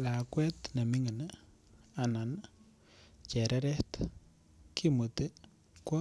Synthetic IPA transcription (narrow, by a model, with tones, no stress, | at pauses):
la˨kwɛ˦t̪na˨mi˦ŋə˨n | a˨na˨n | t͡ʃɛ˨ɾʔɛ˦ɾɛ˦t̪ | ki˦mu˨t̪e˦ | kwɔ˦